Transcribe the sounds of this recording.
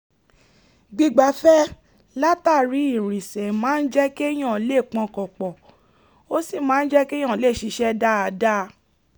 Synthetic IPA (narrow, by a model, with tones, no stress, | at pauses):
ɡ͡bi˧ɡ͡ba˨˦fɛ˦ | la˦ta˦˨ɾi˨˦i˦˨ɾ̃ĩ˨sɛ˨mãː˨˦n̩˦d͡ʒɛ˦ke˦j̃ã˦˨˦le˦˨k͡pɔ̃˨˧kɔ˨k͡pɔ˨ | o˦si˦˨mãː˨˦n̩˦d͡ʒɛ˦kẽ˦ã˦˨le˦˨ʃi˨˧˦ʃɛ˦da˦a˧da˦